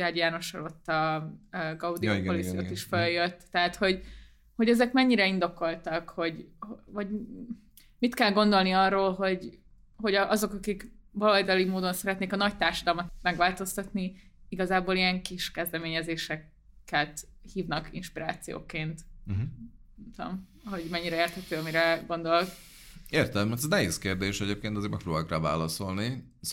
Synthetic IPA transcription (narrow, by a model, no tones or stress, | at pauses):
aːdjaːno̞ʃɒ̰lot̪ːɒ | ɡɒud̪iopolisjio̰ːt̪iʃføljøt̪ːɛɦat̪ho̞ɟ | ho̞ɟɛzɛkmɛɲːiɾɛind̪o̞ko̞lt̪ɒkho̞ɟhovɒɟ | mit̪kɛlɡo̞nd̪o̞lniɒrːoːlɦo̞ɟ | ho̞ɟɒʔɒzo̞kɒkikbɒlɒjd̪ɒlimoːd̪o̞nsɛɾɛt̪neːkɒnɒct̪aːrʃɒd̪ɒlmɒt̪mɛɡʋaːlt̪o̞st̪ɒt̪niiɡɒzaːboːliɛŋkiʃkɛzd̪ɛmeːɲɛzeːʃɛkː | ɛt̪ | hiːvnɒkḭnʃpiɾa̰ːt̪sijo̰ːkeːnt̪̩ɦ | ɛmt̪o̰m | ɦo̞ɟmɛɲːiɾɛeːrt̪hɛt̪øːɒmiɾɛɡo̞nd̪o̞lk | eːrt̪ɛmɛt̪znɛɦeːskeːrd̪eːʃɛɟeːp̚keːnt̪ɒzeːɾmɛ̰kroːbakraːva̰ːlɒso̞lni